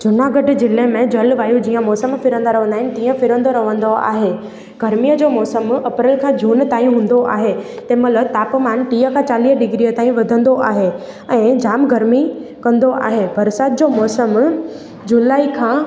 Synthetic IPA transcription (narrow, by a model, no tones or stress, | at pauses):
d͡ʑʊnaɡɐɖ̆d͡ʑɪlemẽd͡ʑɐlʋaːjũd͡ʑiːə̃mɔːsəmfɪɾə̃nd̪aɾɐʋ̤ə̃nd̪aːɦɪnɪ̆t̪ĩːə̃fɪɾə̃nd̪oɾɐʋə̃nd̪oa̰ːɦe | ɡ̥ɐɾmijəd͡ʑoːmɔːsəmɐpɾɪlkʰãːd͡ʑʱuːnt̪aːĩɦũːn̆d̪oʔa̰ːɦet̪ɐ̃mɐlət̪aːpmaːnʈiːəkʰãt͡ɕaːliːɖɪɡɾiət̪aːĩʋɐd̪ʱə̃nd̪oʔaːɦe | ɛ̃ːd͡ʑaːmɡɐɾmikɐ̃nd̪oʔa̰ːɦebɐɾsaːt̪̚d͡ʑoːmɔːsəm | d͡ʑʊlaːikʰãː